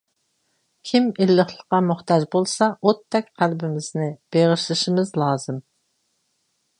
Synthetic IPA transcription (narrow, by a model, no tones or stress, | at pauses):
kʲʰimilːəχlˠəqːɑmʊχt̪ɑʒbolˠsɑot̪ʰːɛkʲqʰælbɪmɪz̥nɪb̥eʁʃlˠɨʃɪmɪzlˠɑːzɨm